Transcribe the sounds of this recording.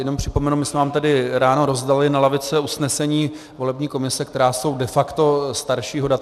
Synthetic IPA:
jɛnompr̥ɪ̥po̞mɛnumɪsmɛvaːmt̪ɛdɪɾaːno̞ɾo̞zdalɪnalavɪt͡sɛusnɛsɛɲiː | vo̞lɛbɲiːko̞mɪsɛkt̪ɛɾaːso̞wdɛfakt̪o̞st̪aɾʃiːɦo̞dat̪

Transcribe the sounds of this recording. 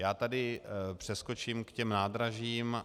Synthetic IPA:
jaːt̪adɪpr̥ɛsko̞t͡ʃiːmkcɛmnaːd̪ɾaʒiːm

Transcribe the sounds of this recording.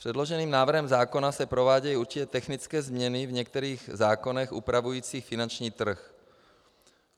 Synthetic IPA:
pr̝̥ɛdlo̞ʒɛniːmnaːvr̩ɦɛmzaːko̞nasɛpɾo̞vaːɟɛjuɾt͡ʃɪcɛt̪ɛxnɪt͡skɛːzmɲɛnɪvɲɛk̚t̪ɛɾiːɣzaːko̞nɛxʔṵpɾavujiːt͡siːxfɪnant͡ʃɲiːt̪r̩x

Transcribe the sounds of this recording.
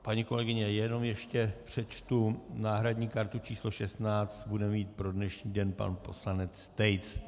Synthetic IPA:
paɲiko̞lɛɡɪɲɛjɛno̞mjɛʃcɛpr̝̥ɛt͡ʃt̪unaːɦɾadɲiːkaɾt̪ut͡ʃiːslo̞ʃɛst̪naːt͡st̪budɛmmiːt̪̚pɾo̞dnɛʃɲiːdɛnpa̰npo̞slanɛt͡st̪ɛjt͡s

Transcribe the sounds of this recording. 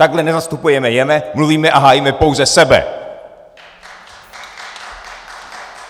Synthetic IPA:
aɡɦlɛnɛzast̪upujɛmɛjɛmɛmluviːmɛʔaɦaːjimɛpo̞wzɛsɛbɛ̰

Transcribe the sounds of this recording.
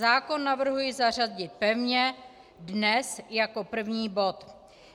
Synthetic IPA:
aːko̞nːavr̩ɦujɪzar̝azɟɪt̪̚pɛvɲɛ | dnɛsjako̞pr̩vɲiːbo̞t̪

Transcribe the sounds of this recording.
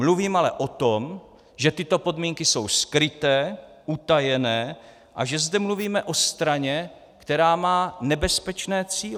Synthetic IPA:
mluviːmalɛ̰ʔo̞t̪om | ʒɛt̪ɪt̪o̞po̞dmiːŋkɪso̞wskɾɪt̪ɛː | ʔut̪ajɛnɛː | ʔaʒɛzd̪ɛmluviːmɛʔo̞st̪ɾaɲɛ | kt̪ɛɾaːmaːnɛbɛspɛt͡ʃnɛːt͡siːl

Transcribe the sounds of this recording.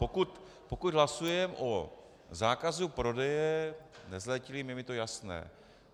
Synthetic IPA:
pokut̪ | pokud̪ɦlasujɛmʔo | zaːkazupɾo̞dɛjɛnɛzlɛcɪlɪmjɛmɪt̪o̞jasnɛ̰ː

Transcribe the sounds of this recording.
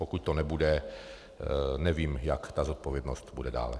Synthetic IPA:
pokuc̚t̪ɔnɛbudɛ | nɛviːmjakt̪aːzɔt̪̚pɔvjɛd̪nɔst̪budɛda̰ːlɛ

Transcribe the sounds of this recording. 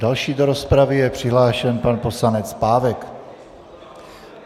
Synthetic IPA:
dalʃiːdoɾo̞spɾavɪjɛpr̝̥ɪɦlaːʃɛnpanpo̞slanɛt͡spaːvɛk

